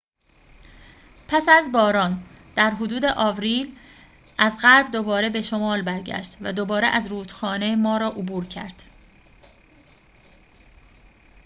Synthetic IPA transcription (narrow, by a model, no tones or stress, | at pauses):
pʰæsæzbɒːɾɒːn | d̪̥æɾɦod̪uːd̪e̞ʔɒːvɾiːl | ʔæzɢæɾbd̪obɒːɾe̞be̞ʃo̞mɒːlbæɾɟæ̰ʃt̪væd̪obɒːɾeʔæzɾuːt̪xɒːne̞mɒːɾɒːʔobuːɾcʰæ̰ɾd̪̥